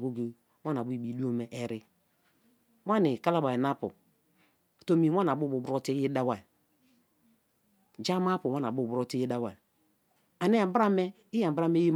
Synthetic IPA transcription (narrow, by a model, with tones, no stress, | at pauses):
ɡo˦ɡe˨˦ | wa˦na˨bu˦i˨bi˨˦du˦o˦me˨ʔɛ˨ɾi˦ | wa˦ni˨ka˦la˦ba˨i˨na˦pṵ˨ | to˦mi˨˦wa˦n˨a˨bu˦bu˨bɾo˦ti˦ji˦da˦wa˨ | d͡ʒa˦ma˦pu˨wa˦na˨bu˦˨bu˨ɾo˦ti˦e˦da˦wa˨ | a˨ne˦a˨˦bɾa˦me˦ | i˦ja˨m˨ba˦me˦ji˦m